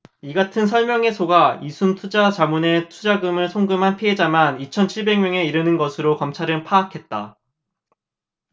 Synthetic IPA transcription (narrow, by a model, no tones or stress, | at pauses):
iɡatʰɯnsʰʌɭmjʌŋe̞sʰoɡaisʰuntʰud͡ʑat͡ɕamune̞tʰud͡ʑaɡɯmɯɭsʰoŋɡɯmɦanpʰiɦe̞d͡ʑamanit͡ɕʰʌnt͡ɕʰiɭbe̞ŋmjʌŋe̞iɾɯnɯnɡʌsʰɯɾokʌmt͡ɕʰaɾɯnpʰaːkʰe̞t̚t͈a